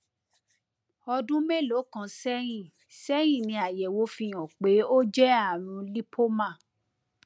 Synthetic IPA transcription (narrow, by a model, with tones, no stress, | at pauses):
ɔ˧dũ˦me˦˨lo˨˦kã˨˧sɛ˦j̃ĩ˦˨ | sɛ˦j̃ĩ˦˨nĩ˧a˨jɛ˨wo˨˦fi˧j̃ɔ̃˨k͡pe˨˦o˦d͡ʒɛ˦a˦˨ɾ̃ũ˨˦li˦pʰo˦mã˦˨